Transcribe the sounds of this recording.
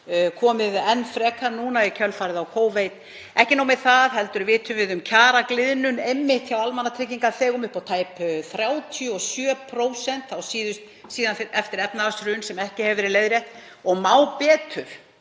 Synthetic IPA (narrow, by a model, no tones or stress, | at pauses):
kʰɔːmɪðɛnːfɾɛːkʰanuːnaicʰœlfaːɾɪðawkʰoːwvejt̪ | ɛhcɪnowmɪðθaðɦɛlt̪ʏɾvɪːt̪ʰʏvɪðʏmcʰaːɾaklɪðnʏnejmːɪht̪çawalmanːat̪ʰɾɪːciŋkaθɛːɣʏmʏhpawt̪ʰaːjpθɾjaːwt̪ʰjʏɔsjœːpʰɾoːwsɛnt̪awsiːðʏst̪ | siːðanfɛft̪ɪɾɛpnaasɾʏnsɛmɛhcɪhɛvɪɾɪlejðɾjɛht̪ | ɔɣmaːwpɛːt̪ʰʏɾ̥